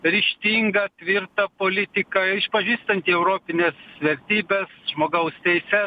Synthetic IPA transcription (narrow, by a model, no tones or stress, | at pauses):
ɾʲɪʃʲt̪ʲiːŋɡɐt̪ʲʋʲɪɾt̪ɐpoːlʲɪt̪ʲɪkɐɪʃpɐʒʲiːst̪ɐnʲt̪ʲiɛʊɾoːpʲɪnʲesʋʲɛɾʲt̪ʲiːbʲɛsʒmoːɡɐʊst̪ʲɛɪsʲɛ